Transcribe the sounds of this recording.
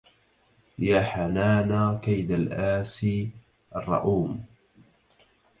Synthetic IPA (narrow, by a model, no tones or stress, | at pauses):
jaːħanaːnaːkajd̪alʔaːsiː | ʔɑrˤːɑ̰ʔuːm